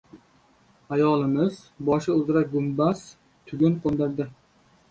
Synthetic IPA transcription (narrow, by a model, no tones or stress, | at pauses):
ajɒlˠɪmɪz | bɒʃɪʊzɾak̚ɡʊmbas | t̪ʰʊɡʲʊnqʰond̪ɪɾd̪ɪ